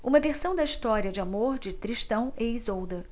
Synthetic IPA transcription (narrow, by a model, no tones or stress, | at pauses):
ũmɐveɾsɐ̃w̃d̪ɐiʃt̪ɔɾiɐd͡ʒɪamoɾd͡ʒɪt̪ɾiʃt̪ɐ̃w̃eizowd̪ɐ